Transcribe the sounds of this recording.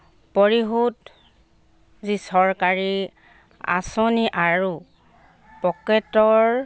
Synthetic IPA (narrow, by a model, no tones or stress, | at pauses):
pɔɹiɦut | zisɔɹkaɹi | a̰sɔniʔaɹu | pɔkɛtɔɹ